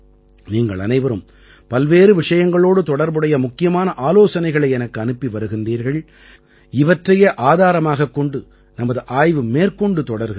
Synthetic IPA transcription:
niːŋɡɐ̰ɭɐ̰nɐɪʋɐɾɯm | pɐlʋeːɾɯʋɪʂɐjɐŋɡɐɭoːɽɯt̪ɔɽɐɾbɯɽɐjɐmʊkːɪjɐmaːnɐʔaːloːsɐnɐɪɣɐɭɐɪɛnɐkːɯɐnɯpːiʋɐɾɯɣɪndriːɾɣɐɭ | ɪʋɐʈrɐjeːʔaːðaːɾɐmaːɣɐkːɔɳɖɯ | nɐmɐðɯʔaːjʋɯmeːrkɔɳɖɯt̪ɔɽɐɾɣ

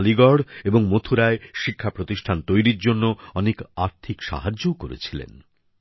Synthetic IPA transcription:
liɡɔɽeboŋmot̪ʰuɾaeʃikʰːapɾot̪iʃʈʰant̪ojɾiɾd͡ʑonːoɔnekaɾt̪ʰikʃa̰ɦad͡ʑːokoɾḛt͡ɕʰilḛn

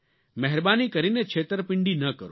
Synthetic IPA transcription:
mɛɦɛɾbaːnikəɾinet͡ʃʰeːt̪əɾpɪɳɖinɐkəɾo

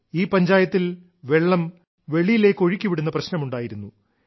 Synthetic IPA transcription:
iːpɐɲd͡ʑaːjɐt̪ːil | ʋe̞ɭːɐm | ʋe̞ɭijile̞ːkːoɻikʲːuʋiɽunːɐprɐɕnɐmuɳɖaːjiɾunːu

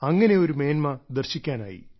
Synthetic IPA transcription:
ɐŋːɐne̞o̞ɾume̞ːnmɐd̪ɐrɕikʲːaːna̰ːjḭ

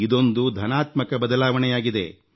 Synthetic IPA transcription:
id̪o̞nd̪ud̪ʱɐnaːt̪mɐkɐbɐd̪ɐlaːʋɐnɛjaːɡid̪e̞̰

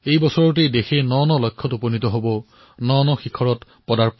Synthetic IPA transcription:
ejbɔsɔɹɔt̬ejdexenɔnɔlɔjkʰːɔtuponitɔɦobɔ | nɔnɔxikʰɔɹɔt | pɔdaɹp

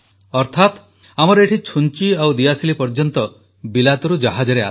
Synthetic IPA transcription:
ɔɾt̪ʰat̪ | amɔɾɔeʈʰit͡ʃʰunt͡ʃiawd̪ijasilipɔɾd͡ʒɔnt̪ɔ | bilat̪ɔɾud͡ʒaɦad͡ʒɔɾea

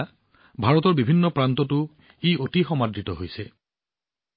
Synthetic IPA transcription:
bʱaɹɔtɔɹbibʱinːɔpɹantɔtʊ | eotixɔmadɹitɔɦojsɛ

